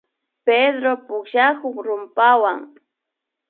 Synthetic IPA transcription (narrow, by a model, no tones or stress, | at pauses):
ped̪ɾopʊkʃakoχɾʊmpawaŋ